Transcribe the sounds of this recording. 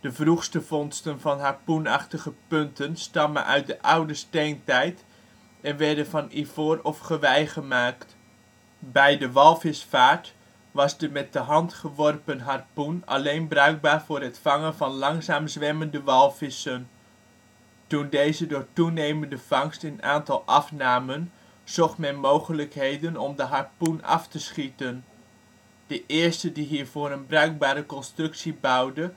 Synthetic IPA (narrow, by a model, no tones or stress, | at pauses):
d̥əvruxstəvɔnstənvɑnɦaɹpunɑ̰χtəɣəpɵntənstɑmə̰nʔœ̰ɥt̚dəʔawdəstejntɛjt | ɛnʋɛɹdəvɑnivoːrɔfχəʋɛjχəmaːkt | bɛjdəʋɑlˠfɪsfaːɹt | ʋɑsdəmɛt̚dəɦɑntχəʋɔrpənɦarpuna̰lejnbrœɥɡ̚baːrvʊːrətfɑŋənvɑnlɑŋzaːmzʋɛməndəʋɑlˠfɪsən | tundejzədʊːrtunejməndəfɑŋstəna̰ːntɑlˠʔɑfnaːmən | z̥ɔχtmɛnmowχələkɦejdənɔmdəɦarpunɑ̰ftəsχitən | d̥əʔɪəstədiɦiːɹvoːɾənbrœɥk̚baːɾəkɔnstrʏksibawdə